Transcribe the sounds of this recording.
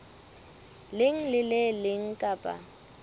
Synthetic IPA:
lɪŋ̩lɪlɪlɪŋ̩kʼapʼa̰

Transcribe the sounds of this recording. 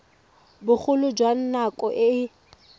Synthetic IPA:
bʊk͡xʰʊlʊd͡ʒwan̩nakʼɔʔɪ

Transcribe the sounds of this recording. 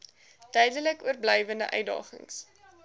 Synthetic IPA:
d̥œɥdələkuərblɛjvəndə̰ʔœ̰ɥdɑ̰ːχə̰ŋs

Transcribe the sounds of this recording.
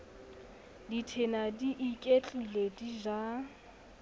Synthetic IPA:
ditʰenadiʔikʼet͡ɬʼilediʒa

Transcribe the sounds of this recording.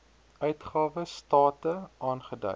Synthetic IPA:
œɥtχɑːvəstɑːtəɑːnχədœ̰

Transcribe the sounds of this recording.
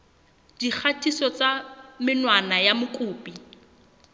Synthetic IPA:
d̥ik͡xʰatʰʼisɔt͡samɪnwanajamʊkʼʊːpʼi

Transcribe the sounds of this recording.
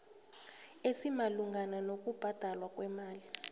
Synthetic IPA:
esimaluŋɡʱananok̬ʼub̥ʱad̥ʱalwak̬ʼwɛmaːli

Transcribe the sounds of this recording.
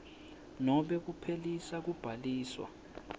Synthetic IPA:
nɔɓɛk̬upʰelisak̬ub̥ʱaliːswa̰

